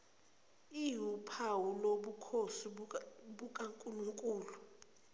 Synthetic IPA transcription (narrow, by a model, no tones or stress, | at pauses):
iɦupʰawuloɓukʰosiɓukʼaŋkʼuluŋkʼuːlu